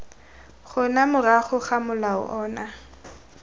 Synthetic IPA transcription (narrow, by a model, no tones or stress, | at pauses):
χʊnamʊraχʊχamʊlaʊ̰ʔɔːna